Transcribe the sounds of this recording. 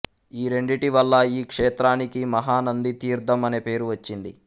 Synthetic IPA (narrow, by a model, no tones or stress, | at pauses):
iːɾe̞ɳɖiʈiʋɐlːɐiːkʂeːt̪ɾaːnikimɐɦaːnɐnd̪it̪iːɾd̪ʱɐmɐne̞pe̞ːɾuʋɐt͡ʃːind̪i